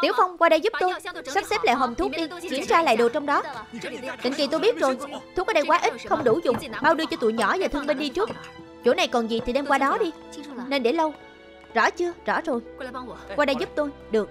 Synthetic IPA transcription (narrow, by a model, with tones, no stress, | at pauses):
t̪i˨˦əwfa˧wŋ͡mkwaː˧ɗə˧˩jzu˦˥p̚t̪o˧jsa˦˥p̚sɛ˦˥p̚la̰ː˧˨jɦə˨˩mt̪ʰu˦˥ək̚ɗi˧zi˧˩ənt͡ɕaː˧la̰ː˧˨jɗo˨˩t͡ɕɔ˧wŋ͡mɗɔ˨˦ | t̪ï˧˨ŋ̟ki˨˩t̪o˧jɓi˦˥t̚zo˨˩jt̪ʰu˦kɔ˨˦ɗə˧˩kwaː˨˦ʔi˦˥t̚xə˧wŋ͡mɗu˧˩˦zʊ̰˨˩ŋ͡mɓaː˧wɗɨ˧ət͡ɕɔ˧t̪ṵ˧˨jɲɔ˧˩˦zaː˨˩t̪ʰɨ˧əŋmï˧nɗi˧t͡ɕɨ˦˥ək̚ | t͡ɕo̰˧˥˦na˨˩jkɔ˨˩nzi˨˩t̪ʰi˨˩ɗɛ˧mkwaː˧ɗɔ˨˦ɗi˧ | ne˧nɗe˧˩lə˧w | zɔ̰˧˥t͡ɕɨ˧əzɔ̰˧˩˥zo˨˩jkwaː˧ɗə˧jzu˦˥p̚t̪o˧jɗɨ˨˩ək̚